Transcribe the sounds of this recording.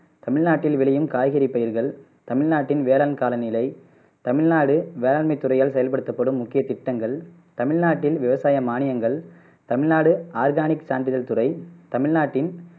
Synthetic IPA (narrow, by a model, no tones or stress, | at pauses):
t̪ɐmɪɻnaːʈːɪlʋɪɭɐjɯmkaːjɣɐɾɪpːɐjɪɾɣɐɭ | t̪ɐmɪɻnaːʈːɪnʋeːlaːlmkaːlɐnɪlɐɪ | t̪ɐmɪɻnaːɽɯʋeːlaːlmɐɪt̪ːʊrɐjaːlsɛɐjɐlpɐɽɯt̪ːɐpːɐɽɯmːʊkːɪjɐt̪ɪʈːɐŋɡɐɭ | t̪ɐmɪɻnaːʈːɪlʋɪʋɐsaːjɐmaːnɪjɐŋɡɐɭ | t̪ɐmɪɻnaːɽɯaːɾɡaːnɪksaːɳɖɪðɐlt̪ʊrɐɪt̪ɐmɪɻnaːʈːɪn